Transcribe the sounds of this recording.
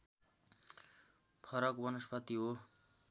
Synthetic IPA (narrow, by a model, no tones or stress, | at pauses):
pʰʌɾʌkbʌnʌspʌt̪iɦo